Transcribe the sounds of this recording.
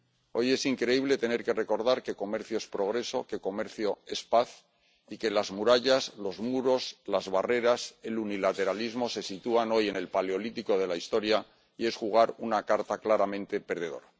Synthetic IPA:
o̞je̞siŋkɾe̞iβ̞le̞t̪e̞ne̞ɾke̞re̞ko̞ɾð̞aɾke̞ko̞me̞ɾθjo̞espɾo̞ɣ̞ɾe̞so̞̰ke̞ko̞me̞ɾθjo̞e̞spaθ | ike̞lazmuɾaʎazlo̞zmuɾo̞slazβare̞ɾase̞lunilat̪e̞ɾalizmo̞se̞sit̪uano̞je̞ne̞lpaleo̞lit̪iko̞ð̞e̞laist̪o̞ɾja | ie̞sxuɣ̞aɾunakaɾt̪aklaɾamẽ̞nt̪e̞pe̞ɾð̞e̞ðo̞̰ɾa

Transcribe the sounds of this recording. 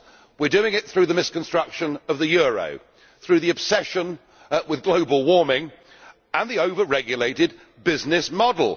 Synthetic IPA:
wɪdʉɪ̃ŋɪt̪̚θɹʉðəmɪskə̃n̩stɹ̥ʌkʃə̃nəvðɨjɔɹə̰ʊ | θɹʉðiɨb̥sɛʃə̃n | wɪðɡloʊbəlˠwɔɹmɪ̃ŋ | ə̃nðioʊvəɹɛɡjəleɪɾɪd̚ | bɪznɪsmɑdˡl̩ˠ

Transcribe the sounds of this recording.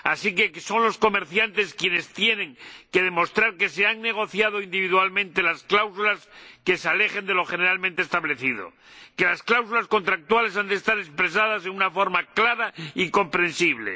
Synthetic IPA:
a̰sike̞so̞ŋlo̞sko̞me̞ɾθjant̪e̞skje̞ne̞st̪je̞nẽ̞ŋke̞ð̞e̞mo̞st̪ɾaɾke̞seaŋne̞ɣ̞o̞θjað̞oind̪iβiðwalmẽ̞nt̪e̞lasklawsulaske̞seale̞χe̞nd̪e̞lo̞xe̞ne̞ɾalmẽnt̪est̪aβle̞θiðo̞̰ | ke̞lasklawsulasko̞nt̪ɾak̚t̪wale̞sand̪e̞st̪aɾe̞spɾes̬aðas̬e̞ŋunafo̞ɾmaklaɾaiko̞mpɾe̞nsiβ̞le̞̰

